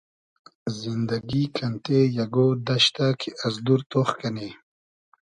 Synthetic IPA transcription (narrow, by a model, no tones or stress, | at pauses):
zind̪ɐɡikʰɐnt̪ejɐɡod̪ɐɕt̪akʰiʔɐzd̪uɾt̪oxkɐne